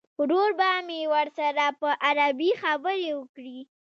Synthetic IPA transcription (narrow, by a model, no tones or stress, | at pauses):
ɾoɾbamewəɾsaɾapəʔaɾabixabəɾewəkɽi